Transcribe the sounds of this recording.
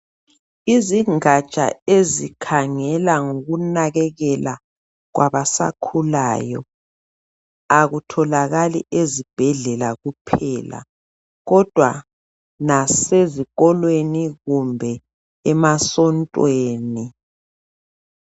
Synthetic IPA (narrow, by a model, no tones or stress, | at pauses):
iziŋat͡ʃʼa̰ezikʰaŋɛlaŋoɣunaɣɛɣɛla | ɣwaβasa̰kʰulaːjɔ̰ | aɣutʰɔlaɣalḭʔezib̥ʱɛɮɛlaɣupʰɛːla̰ | ɣɔd̥ʱwa | naseziɣɔlweniɣumbʱɛ | ɛmasɔntʼweːni